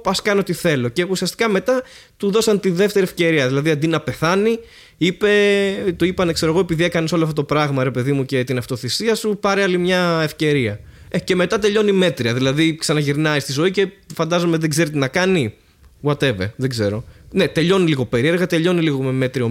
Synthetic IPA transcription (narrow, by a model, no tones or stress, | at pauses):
ɐskɐnot̪iθe̞lo̞ce̞usiɐst̪i̥kɐme̞t̪ɐ | t̪uðo̞sɐnt̪iðe̞ft̪e̞ɾiefce̞ɾiɐðilɐðiɐnd̪inɐpe̞θɐni | ipe̞t̪oipɐnekse̞ɾoo̞epiðiekɐneso̞loɐft̪ot̪opɾɐɣmɐɾe̞pe̞ðimuce̞t̪inɐft̪o̞θisiɐsupɐɾiɐlimɲɐe̞fce̞ɾiɐ | ece̞me̞t̪ɐt̪e̞ʎo̞nime̞t̪ɾiɐðilɐðiksɐnɐʝiɾnɐist̪izo̞ice̞fɐnd̪ɐzo̞meðeɡze̞ɾit̪inɐkɐni | wɐt̪e̞ve̞̰ðeɡze̞ɾo̞ne̞t̪e̞ʎo̞niliɣo̞pe̞ɾie̞ɾɣɐt̪e̞ʎo̞niliɣo̞meme̞t̪ɾio